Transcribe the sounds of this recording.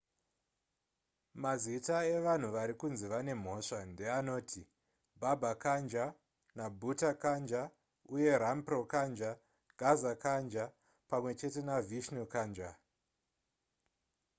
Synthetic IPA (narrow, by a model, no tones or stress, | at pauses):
mazitaeʋan̤uʋaɾikunziʋane̞m̤o̞ʂande̞ano̞ːtʰi | bʱabʱakand͡ʒa | nabʱutakand͡ʒa | uje̞ɾampro̞kand͡ʒa | ɡ̥ʱazakand͡ʒa | pamwe̞t͡ʃe̞te̞naviʃnokand͡ʒa